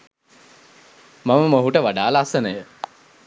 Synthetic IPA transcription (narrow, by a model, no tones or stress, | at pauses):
maməmoɦuʈəʋaɖaːlaasənəjə